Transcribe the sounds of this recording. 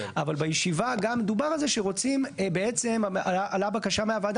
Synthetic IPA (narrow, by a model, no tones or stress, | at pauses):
ʔavalbajeʃivaɡamːe̞d̪ubaʁalzeʃeʁo̞t͡simbeet͡se̞maaʔalabakaʃameavad̪